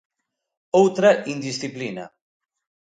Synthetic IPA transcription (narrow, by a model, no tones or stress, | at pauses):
owt̪ɾaʔind̪isθiplina̰